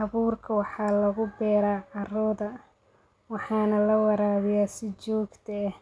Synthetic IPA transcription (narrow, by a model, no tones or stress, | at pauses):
ʔɐβuːrkʰɐwɑħɑːlɐɣʊbɛːɾaːʕɑrɔːðɐ | wɑħɑːnɐlɐwɑɾaːβɪjaːsɪt͡ʃɔːɡt̪ʰɐːh